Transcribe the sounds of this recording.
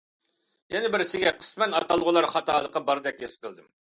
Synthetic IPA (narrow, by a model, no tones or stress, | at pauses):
jɛnɪbɪɾsɪɡʲɛqʰə̥smɛnɑt̪ɑlˠʁʊlˠɑɾχɑt̪ɑːlˠəqːɑbɑɾd̪ɛk̚ʲjesqʰəlˠd̪ɨm